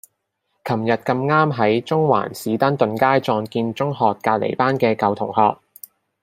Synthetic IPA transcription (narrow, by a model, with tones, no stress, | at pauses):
kʰɐ˨˩mjɐ˨t̚kɐ˧mŋaː˥mɦɐ˨˥jt͡sʊ˥ŋwa̰ː˨˩nsiː˨˥t̪ɐ˥nt̪ɵ˨˧nkaː˥jt͡sɔː˧ŋkiː˧nt͡ʃʊ˥ŋɦɔː˨˧kːaː˧t̚lḛ˨˩jpaː˥nkɛː˧kɐ˨˧wt̪ʰʊ˨˩ŋhɔ̰ː˧k̚